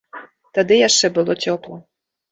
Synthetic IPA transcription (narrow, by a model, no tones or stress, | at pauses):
t̪ad̪ɨjaʃɛbɨlˠotʲɔplˠɔ